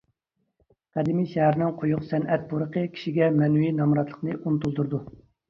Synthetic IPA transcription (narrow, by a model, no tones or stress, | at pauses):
qʰæd̪imiʃɛɦæɾnɪŋqʰojʊqsɛnʔɛt̪̚boɾəqəkʲʰi̥ʃiɡʲɛmɛnwinɑmɾɑt̪lˠə̥qnɨʔunt̪ulˠd̪uɾd̪u